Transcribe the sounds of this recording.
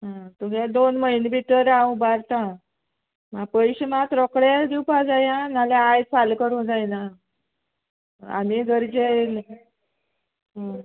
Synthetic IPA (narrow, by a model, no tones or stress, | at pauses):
ɦãt̪uɡed̪onməinbit̪əɾawbaɾt̪ã | mapəjɕemat̪ɾɔkɽad̪iwpad͡zajanalaajfalkəɾɦod͡zajna | a̰miɡəɾd͡ʑel | ɦã